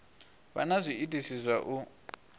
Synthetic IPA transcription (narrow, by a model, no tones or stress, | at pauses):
βa̰nazʷiitʼisizʷwaʔu